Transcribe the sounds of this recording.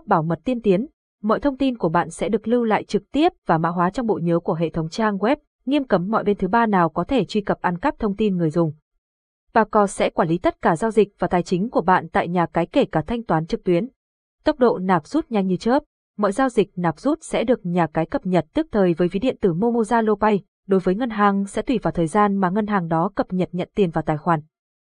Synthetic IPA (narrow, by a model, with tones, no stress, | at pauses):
ɓaː˧˩wmə˨˩t̚t̪i˧ənt̪i˨˦ən | mɔ̰˧˨jt̪ʰə˧wŋ͡mt̪i˧nku˧˩əɓa̰ː˧˨nsɛ̰˧˥ɗɨ˨˩ək̚lɨ˧la̰ː˧˨jt͡ɕɨ˨˩k̚t̪i˦˥əp̚vaː˨˩ma̰ː˧˥ɦwaː˨˦t͡ɕɔ˧wŋ͡mɓo̰˧˨ɲəː˨˦ku˧˩əɦḛ˧˨t̪ʰə˨˦wŋ͡mt͡ɕaː˧ŋɣwɛ˦˥p̚ | ŋi˧əmkə˨˦mːɔ̰˧˨jɓe˧nt̪ʰɨ˨˦ɓaː˧naː˨˩wkɔ˨˦t̪ʰe˧˩t͡ɕwi˧kə˨˩p̚ʔa˧nkə˦˥p̚t̪ʰə˧wŋ͡mt̪i˧nŋɨ˨˩əjzʊ˨˩ŋ͡m | ɓaː˧˩kɔ˧˩sɛ̰˧˥kwaː˧˩nli˨˦t̪ə˦˥t̚kaː˧˩zaː˧wzi˨˩k̟̚vaː˨˩t̪aː˨˩jt͡ɕï˨˦ŋ̟ku˧˩əɓa̰ː˧˨nt̪a̰ː˧˨jɲaː˨˩kaː˨˦jke˧˩kaː˧˩t̪ʰa˧jŋ̟t̪waː˨˦nt͡ɕɨ˨˩k̚t̪wi˨˦ən | t̪ə˦˥k͡p̚ɗo̰˧˨naː˨˩p̚z̥u˦˥t̚ɲa˧jŋ̟ɲɨ˧t͡ɕəː˦˥p̚ | mɔ̰˧˨jzaː˧wzï˨˩k̟̚naː˨˩p̚z̥u˦˥t̚sɛ̰˧˥ɗɨ˨˩ək̚ɲaː˨˩kaː˨˦jkə˨˩p̚ɲə˨˩t̚t̪ɨ˦˥ək̚t̪ʰəː˨˩jvəː˨˦jvi˨˦ɗḭ˧˨ənt̪ɨ˧˩mo˧mo˧zaː˧lo˧ɓa˧j | ɗo˨˦jvəː˨˦jŋə˧nɦaː˨˩ŋsɛ̰˧˥t̪wi˧˩vaː˨˩wt̪ʰəː˨˩jzaː˧nmaː˨˩ŋə˧nɦaː˨˩ŋɗɔ˨˦kə˨˩p̚ɲə˨˩t̚ɲə̰˧˨nt̪i˨˩ənvaː˨˩t̪aː˨˩jxwaː˨˩n